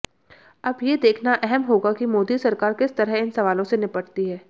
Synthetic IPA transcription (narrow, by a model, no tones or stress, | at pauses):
ɐbjed̪eːkʰnaʔɛɦɛmɦoːɡakimoːd̪isɐɾkaːɾkɪst̪ɐɾəɦɪnsɐʋaːlõsenɪpəʈt̪iɦɛː